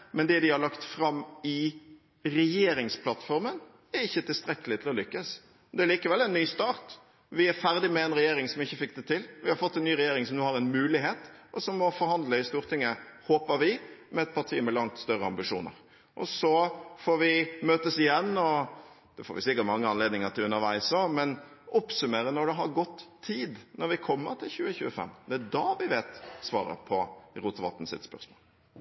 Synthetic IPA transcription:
mɛnd̪ɛd̪ɪhɑɾɭɑkt̪fɾɑmːɪ | ɾɛjeːɾɪŋspʰlɑt̪ːfɔɾmən | æɾɪçːət̪ʰɪlst̪ɾɛkːəlɪt̪ʰɪlɔlʏkːəs | d̪ɛælɭiːkəʋɛlːɛnːyːst̪ɑːʁt̪ | ʋɪæɾfæɾd̪ɪmɛɛnɾɛjeːɾɪŋsɔmɪçːəfɪk̚ːd̪ɛt̪ʰɪlʋɪhɑɾfɔt̪ːɛnnyːɾɛjeːɾɪŋsɔmnuːhɑɾɛnmʉːlɪɦeːt̪ʔɔsɔmːɔfɔɾhɑnd̪ləɪst̪uːɾt̪ʰɪŋːəhoːpəɾʋɪmɛɛt̪̚pʰɑɾʈ̪ʰiːmɛlɑŋt̪st̪œɾəɑ̰mbɪʂṵːnə̰ɾ | ʔɔ̰sɔfoːɾʋɪmøːt̪əsɪjɛnːɔ | d̪̥ɛfo̰ːɾʋɪ̰sɪkːət̪mɑŋːəɑnleːd̪nɪŋət̪ʰɪlʉnːəɾʋæ̰ɪsɔmɛnɔpsʉmeːɾənɔɾɖ̪ɛɦɑɾɡɔt̪ːʰiːd̪nɔɾʋɪkʰɔmːəɾʈ̪ʰɪlçʉːəçʉːəfɛ̰mːd̪ɛæd̪ɑʋɪʋeːt̪sʋɑ̰ːɾə̰pʰɔɾuːt̪ʋɑ̰t̪ːn̩sɪ̰t̪spœ̰ɾsmo̰ːl

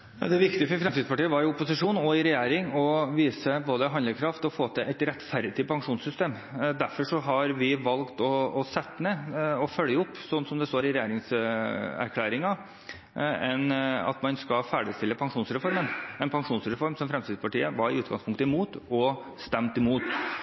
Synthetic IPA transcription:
d̪ɛʋɪkt̪ɪəfɔɾfɾɛmt̪iːspɑʈiːəʋɑɾɪʊpʊsɪʂuːnɔɪɾɛjeːɾɪŋɔʋiːsəboːd̪əɦɑnləɾkʰɾɑft̪ɔfoːt̪ʰɛʔɛɪt̪ɾɛt̪ːfæɾd̪ɪpʰɑŋʂuːnsʏst̪eːm | d̪æɾfɔʂɔɦɑɾʋɪʋɑlkt̪ɔːsɛt̪ːmɛɔfœljəʊpːsɔnːsɔmd̪ɛst̪oːɾɪɾɛjeːɾɪŋs | æ̰ɾkʰlæːɾɪŋɑ | ɛnɑ̰t̪mɑnskɑfæːɖɪst̪ɪlːəpʰɑŋʂuːnsɾɛfɔɾmənɛnpʰɑŋʂuːnsɾɛfɔɾmsɔmfɾɛmst̪iːd̪spɑʈiːəʋɑɾɪʉːt̪ɡɑ̰ŋspʰʊŋkt̪əɪmuːt̪ɔ | st̪ɛmt̪ɪmuːt̪

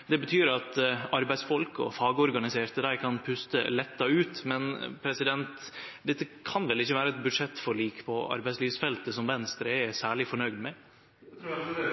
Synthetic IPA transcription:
d̪ɛbət̪ʰyːɾɑt̪ɑɾbæɪsfɔlkɔ̰fɑːɡəɔɾɡɑnɪseːɾt̪əd̪æɪkʰɑnpʰʉst̪ə̰lɛt̪ːɑʉːt̪mɛnpʰɾɛsɪd̪ɛnt̪d̪ɛt̪ːəkʰɑnʋɛlɪçːəʋæːɾəɛt̪̚bʉd̪ʂɛt̪ːfɔɾɭiːkpʰɔɑ̰ɾbæɪsliːʋsfɛlt̪əsɔmʋɛnst̪ɾəɛsæːɭɪfɔɳœʏd̪mɛ

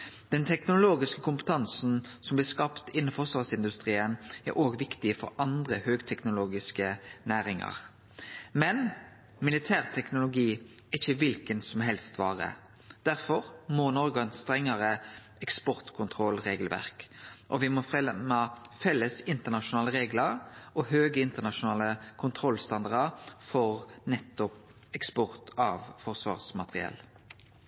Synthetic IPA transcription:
d̪̥ɛnt̪ʰɛknʊloːɡɪskəkʰʊmpə̥t̪ʰɑnsn̩sɔmblɪskɑpt̪ɪnːəfɔʁsʋɑʁsɪnd̪ʉst̪ʁiːənæ̰ɾoːɡʋɪkt̪ɪfɔ̰ɾɑnd̪ʁəhøːɡt̪ʰɛknʊloːɡɪskənæːʁɪŋɑ̰ʁ | mɛn | mɪlɪt̪ʰæːʁt̪ʰɛknʊlʊɡiː | ɛɪçəʋɪlkənsɔmɦɛlst̪ʋɑːʁə̰ | d̪̥æʁfɔʁmɔnɔʁɡɔɛnst̪ʁɛŋːəʁə | ɛkspɔʁt̪kʰʊnt̪ʰʁɔlʁeːɡəlʋæ̰ʁkʔɔʋɪmɔfʁɛmɑfɛlːəsɪnt̪əʁnɑʃʊnɑːləʁeːɡləɾɔhøːɡəɪnt̪əʁnɑʃʊnɑːləkʰʊnt̪ʰʁɔlːst̪ɑnd̪ɑʁdəʁfɔʁnɛt̪ːɔp | ɛkspɔʁt̪ʰɑʋfɔʁsʋɑ̰ːʁsmɑt̪ʁɪ̰ɛ̰l

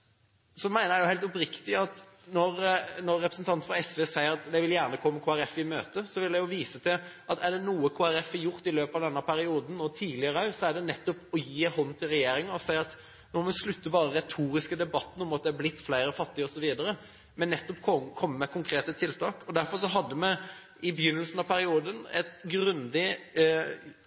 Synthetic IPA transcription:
sɔmæɪnəjæjʊhæɪlt̪ɔpɾɪkt̪ɪɑt̪nɔɾnɔɾːɛpɾəsn̩t̪ʰɑnt̪fɾɑɛsʋeːsæɪəɾɑt̪d̪ɛʋɪljæːʁnəkʰɔmːmkʰoːæɾɛfɪmø̰ːt̪əsɔʋɪld̪ɛjʊʋiːsət̪ʰɪlʔɑt̪æɖɛnuːəkʰoːæɾɛfːæjʊɾt̪ɪløːpɑʋd̪ɛnːɑpʰæɾɪuːd̪n̩ɔt̪ʰiːlɪəɾəɑsɔæɖɛnɛt̪ːɔpɔjiːɦɔnt̪ʰɪlɾɛjeːɾɪŋəɔsæɪɑt̪ | nɔɾmɛslʉt̪ːəbɑːɾəɾɛt̪ʰuːɾɪskəd̪ɛbɑt̪ːn̩ɔmɑt̪̚d̪ɛæblɪt̪ːflæɪɾəfɑt̪ːɪəɔsɔʋiːd̪əɾə | mɛnːɛt̪ːɔpkʰɔkʰɔmːəmɛkʰʊŋkʰɾeːt̪ət̪ʰɪlt̪ʰɑːkɔd̪æɾfɔɾʂɔɦɑd̪ːəmɛ | ɪbəjʏnːəlsn̩ɑʋpʰæɾɪuːd̪ənɛ̰t̪ɡɾʉnd̪ɪ

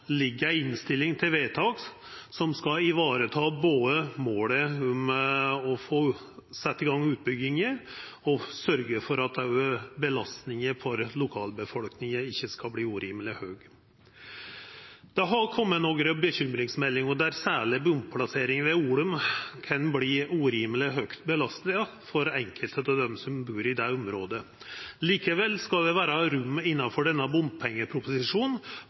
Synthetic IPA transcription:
lɪɡːəɾæɪɪnst̪ɪlːɪŋt̪ʰɪlʋeːt̪ʰɑːɡs | sɔmskɑɪʋɑːɾət̪ʰɑːboːd̪əmoːləʊmɔfoː | sɛt̪ːɪɡɑŋːʉːt̪̚bʏɡɪŋəɔsœɾɡəfɔɾɑt̪bəlɑst̪nɪŋəfɔɾlʊkʰɑːlbəfɔlknɪŋəɪçːəskɑbliːuːɾiːmlɪhøːɡ | d̪̥ɛɦɑkʰɔmːət̪nɔɡɾəbəçʏmɾɪŋsmɛlːɪŋɔd̪æɾsæːɭɪbʊmpʰlɑseːɾɪŋʋɛuːlʉmkʰɑnbliːʉɾiːmlɪɦœkt̪bəlɑst̪nɪə | fɔɾɛŋkʰəlt̪ʰət̪ɔd̪ɛmsɔmbʉːɾɪd̪ɛʊmɾoːd̪ə | liːkəʋɛlːskɑld̪ɛʋæːɾəɾʉmːɪnːɑnfɔɖɛnːɑbʊmpʰɛŋːəpʰɾʊpʊsɪʂuːn

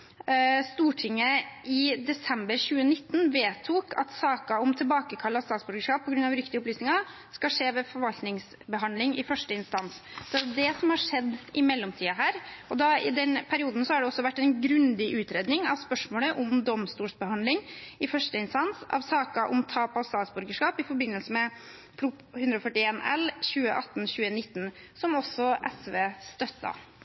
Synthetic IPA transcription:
st̪uːʈʰɪŋːəʔɪd̪ɛsɛmbəɾçʉːənɪt̪ːənʋeːt̪ʰuːkʰɑ̰t̪sɑːkɑɔmt̪ʰɪlbɑːkəkʰɑlːɑst̪ɑːt̪sbʏɾɡəʂkɑːp̚ʰːɔɡɾʉnɑʋɾʏkt̪ɪəʊplyːsnɪŋɑ | skɑʂeːʋɛfɔɾʋɑlt̪nɪŋs | bəɦɑnd̪lɪŋɪfœʂʈəɪnst̪ɑnssɔd̪ɛd̪ɛd̪ɛsɔmhɑʂɛd̪ːɪmɛlːɔmt̪ʰiːɑɦæːɾɔd̪ɑɪd̪ɛnpʰæɾɪuːd̪n̩sɔhɑɖɛɔsːɔʋæʈːɛɪnɡɾʉnd̪ɪʔʉːt̪ɾeːd̪nɪŋɑʋspœʂmoːləʔʊmd̪ɔmst̪uːʂbəhɑnd̪lɪŋɪfœʂʈəɪnst̪ɑnsɑ̰ʋsɑːkɑʔɔmt̪ʰɑːpɑʋst̪ɑːt̪sbʉɾɡəʂkɑːpɪfɔɾbɪnːəlsəmɛ | pʰɾʊ | hʉnd̪ɾɔfœʈːɪeːnɛlçʉːə̰ʔɑt̪ːn̩çʉːənɪt̪ːn̩ | sɔmɔsːɔʔɛsʋeːst̪œt̪ːɑ̰

